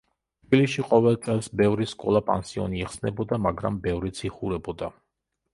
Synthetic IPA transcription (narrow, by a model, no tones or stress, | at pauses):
t̪ʰb̥ilisʃiqʼɔvɛlˠt̪sʼɛlˠsbɛvɾiskʼɔlˠapʼa̰nsiɔ̰niɛχsnɛbɔd̪amaɡɾa̰mbɛvɾit̪sʰiχuɾɛbɔd̪a